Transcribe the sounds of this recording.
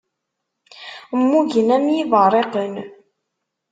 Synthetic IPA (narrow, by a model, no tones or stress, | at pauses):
mːuʝənæmjivəɾˤeqən